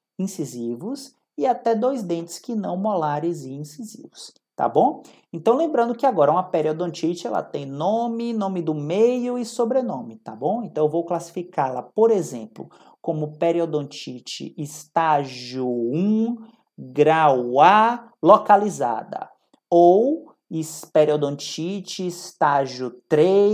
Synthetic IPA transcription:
ĩsizivʊs | ɪat̪ɛd̪ojzd̪ẽnt͡ʃ̪ɪ̥skɪnɐ̃w̃mɔlaɾɪzĩĩsizḭvʊs | t̪a̰bõw̃ | ẽnt̪ɐ̃w̃lẽmbɾɐ̃nd̪ʊkɪaɡɔɾɐũmɐpeɾiɔd̪õt͡ʃit͡ʃɪɛ̰lɐ̰t̪ẽj̃nõmɪnõmɪd̪ʊmejʊɪsobɾenõmɪt̪a̰bõw̃ẽnt̪ɐ̃w̃ewvowklasi̥fikaɾlɐ̰poɾezẽplʊ̰ | kõmʊpeɾiod̪õt͡ʃit͡ʃɪ̰ist̪aʒʊũ | ɡɾawa | lokaliza̰d̪ɐ̰ | ow | ispeɾiod̪õt͡ʃit͡ʃɪːst̪aʒʊt̪ɾe

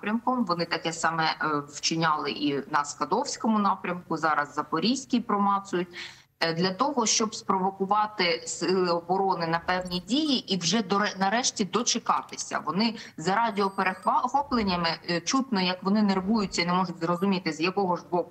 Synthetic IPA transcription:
pɾʲɐmkɔmʋɔnɪt̪ɐkɛsɑmɛwt͡ʃɪnʲɑlˠɪ̰ʔinɐskɐd̪ɔwsʲkɔmʊnɑpɾʲɐmkʊzɑɾɐzːɐpɔɾʲisʲkʲipɾɔmɑsʊjʊt̚ʲ | d̪lʲɐt̪ɔɦɔʃt͡ʃɔbspɾɔʋɔkʊʋɑt̪ɪsɪlˠɪɔbɔɾɔnɪnɐpɛwnʲidʲijiʔiwʒɛd̪ɔɛnɐɾɛʃtʲid̪ɔt͡ʃɪkɑt̪ɪ̥sʲɐ̰ʋɔnɪzɐɾɑdʲiɔpeɾexxɔplˠenʲːɐmɪt͡ʃut̪nɔjɐkʋɔnɪnerʋujʊt͡sʲːɐinɛmɔʒʊtʲzrɔzʊmʲit̪ɪzjɐkɔɦɔʒbɔkʊ

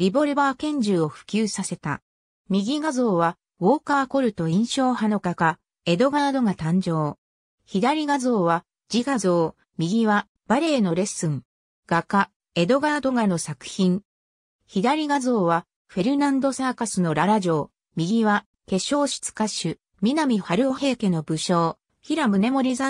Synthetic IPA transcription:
ɾʲibo̞ɾɯ̟baːkẽ̞ɲ̟d͡ʑɨːo̞ɸɯ̟̥kʲɨːsase̞t̪a̰ | mʲiɡʲiɡazo̞ːβa | βo̞ːkaːko̞ɾɯ̟t̪o̞ĩɰ̃ɕo̞ːhano̞kaka | e̞d̪o̞ɡad̪o̞ɡat̪ãɲ̟d͡ʑo̞ː | çid̪aɾʲiɡazo̞ːβa | d͡ʑiɡazo̞ː | mʲiɡʲiβa | b̥aɾe̞ːno̞ɾe̞sɨ̃ŋ | ɡ̥aka | e̞d̪o̞ɡad̪o̞ɡano̞sakɯ̟̥çĩŋ | çid̪aɾʲiɡazo̞ːβa | ɸe̞ɾɯ̟nãnd̪o̞saːkasɨno̞ɾaɾaʑo̞ː | mʲiɡʲiβa | ke̞ɕo̞ːɕɨ̥t͡sɨ̥kaɕɨ | mʲinamʲiɸaɾɯ̟ohe̞ːke̞no̞bɯ̟ɕo̞ː | çiɾamɯ̟ne̞mo̞ɾʲiza

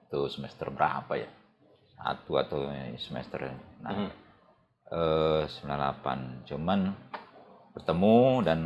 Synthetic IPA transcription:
t̪usəmɛst̪ərbəɾa̰paja̰ | sa̰t̪ua̰t̪awsəmɛ̰st̪ə̰rna̰a | əsəmbilanlapa̰nd͡ʒəman | bərt̪əmudan

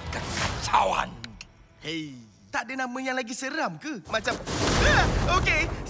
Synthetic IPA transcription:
kankat͡ʃa̰wa̰n | hej | t̪aʔdənãmə̃jaŋlaɡisəɾamkɨmãt͡ʃamaoke

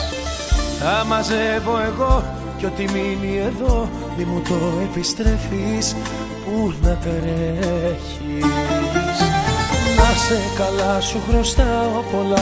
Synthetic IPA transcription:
θɐmɐzevo̞e̞ɣo̞ | co̞t̪iminie̞ðo̞ | mimut̪o̞e̞pist̪ɾe̞fis | punɐp̪eɾeç | i | s | nɐsekɐlɐsuxɾo̞st̪ɐopo̞lɐ

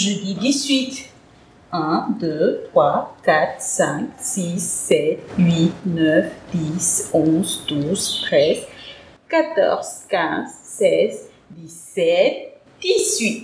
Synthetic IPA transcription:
ʒød̪id̪isɥit̪ | ɛ̃d̪øt̪χwakat̪χsɛ̃ksisːɛt̪ɥinœfd̪̥isɔ̃zd̪̥uzt̪χɛz | kat̪ɔ̰ʁz̥kʲɛ̃zsɛz | d̪isɛt̪̚ | d̪̥isɥit̪

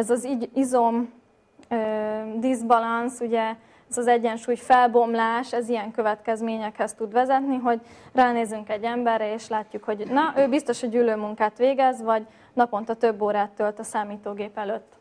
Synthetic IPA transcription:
ɛzɒziizom | ød̪izbɒlɒnsuɟɛ | ɛzɒzɛɟːɛnʃuːjfɛlbo̞mlaːʃɛzijɛŋkøvɛt̪kɛzmeːɲɛkhɛst̪ud̪ʋɛzɛt̪niɦo̞ɟraːneːzyŋkɛɟːɛmbɛrːɛeːʃlaːcːukho̞ɟnɒʔøːbist̪o̞ʃhoɟyːløːmuŋkaːt̪ʋeːɡɛzʋɒɟ | nɒpo̞nt̪ɒt̪øbːoːɾaːt̪ːølt̪ɒsaːmiːt̪oːɡeːpɛløt̪ː

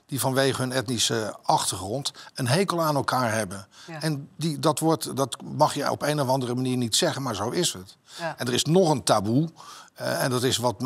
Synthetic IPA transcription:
d̥ivɑnʋejχəɦɵnɛtnisəʔɑχtəɹχrɔntənɦejkəlˠaːnɛlˠkaːɹɦɛbənɛndidɑtʋɔɹtdɑtmɑχjəɔ̰pejnɔfɑndərəmaniːɹnitsɛχənmaːɹzowɪsətɛndərɪsnɔχəntabu | ɛndɑtɪsʋɑt

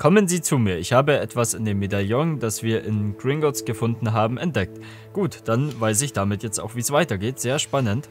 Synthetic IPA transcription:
kʰɔmənziːt͡sumiːɐɪçhaːbəʔɛtv̥asɪndeːmedaljɔŋd̥asv̥iːɐʔɪnɡ̥ʁɪŋɡɔsɡ̥əfʊndn̩ɦaːbm̩ʔɛnt̚d̥ɛk̚t | ɡ̥uːtd̥anvaɪs̬ɪçd̥amɪtjɛt͡sta̰ʊxv̥iːsv̥aɪtɐɡeːtz̥eːɐʃpanənt

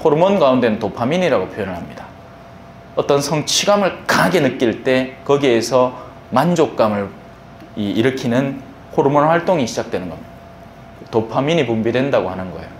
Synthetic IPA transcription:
hoɾmonɡaunde̞nɯntopʰamiɲiɾaɡopʰjojʌnɯɭɦamɲida | ʌt͈ʌnsʰʌŋt͡ɕʰiɡamɯɭkaɡe̞nɯk͈iɭt͈e̞kʌɡiesʰʌ | mand͡ʑok̚k͈amɯɭ | iiɾɯkʰinɯn | hoɾmonɸwaɭt͈oŋiɕʰid͡ʑak̚twe̞nɯnɡʌmɲid | topʰamiɲipumbidwe̞ndaɡohanɯnɡʌejo

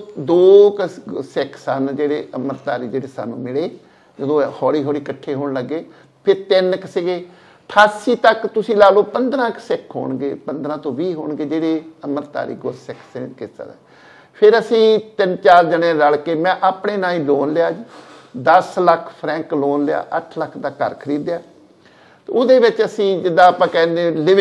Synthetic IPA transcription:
d̪oːksɛkʰsənd͡ʒeːɽeːəməɾt̪aːɾiːd͡ʒeːɽeːsa̰ːnːṵ̃ːmɪɭeː | d͡ʒəd̪õːhɔːɽiːɦɔːɽiːkəʈʰːeːɦoːɳləɡːeː | pʰɪɾt̪ɪnkəseːɡeː | ʈʰaːsiːt̪əkt̪ʊsĩːlaːloːpənd̪ɾãːksɛkʰɦo̰ːɳɡḛːpənd̪ɾãːt̪õːʋiːɦo̰ːɳɡeːd͡ʒeːɽeːəməɾt̪a̰ːɾḭːɡossɛkʰsekɪsə̰d̪ɛ̰ː | pʰɪɾəsĩːt̪ɪnt͡ʃaːɾd͡ʒəɽẽːləɭkeːmɛ̃ːʔaːpɳeːnãːĩːloːnlɪaːd͡ʒid̪əsləkʰpʰɾɛ̃ːŋkloːnlɪa̰ːʔəʈʰləkʰd̪aːkə̰ɾkʰəɾiːd̪jaː | t̪ʊd̪eːʋɪt͡ʃəsĩːd͡ʒɪd̪ːãːaːpãːkɛːnd̪eːlɪ

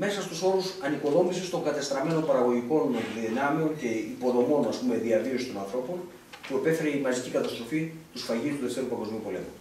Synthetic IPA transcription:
me̞sɐst̪uso̞ɾusɐniko̞ðo̞misist̪o̞ŋɡɐt̪est̪ɾɐme̞no̞mpɐɾɐɣo̞ʝiko̞nðinɐmeo̞nce̞ipo̞ðo̞mo̞nɐspume̞ðiɐvio̞si̥t̪o̞nɐnθɾo̞po̞n | pue̞pe̞fe̞ɾeimɐzicikɐt̪ɐst̪ɾo̞fit̪usfɐʝist̪uleft̪eɾupɐŋɡo̞zmiupo̞le̞̰mu

